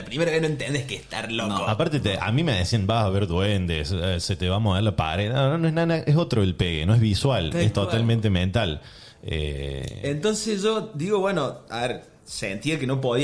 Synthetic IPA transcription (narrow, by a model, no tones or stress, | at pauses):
lɐpɾimeɾɐβehnoent̪end̪ehkeht̪aɾlokoapaɾt̪et̪ea̰mĩmeðesiɐnbasaβeɾðwend̪esset̪eβamoβeɾlɐpa̰ɾeðnononoeɦnanaʔesot̪ɾoelpeɣḛnoeɦβiswalest̪oalmẽnt̪emẽnt̪al | ḛent̪onsesʒod̪iɣoβwenoaβeɾ | sent̪iɐkenop̬oði